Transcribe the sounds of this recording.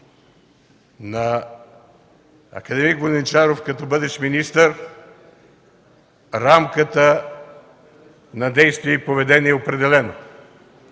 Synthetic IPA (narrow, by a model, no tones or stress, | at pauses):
nɐ | ɐ̰kɐd̪ɛmikvonɛnt͡ʃaɾofkɐt̪ɔbɤd̪ɛʃminist̪əɾ | ɾamkət̪ə | nɐd̪ɛjst̪viɛipovɛd̪ɛniɛopɾɛd̪ɛlɛno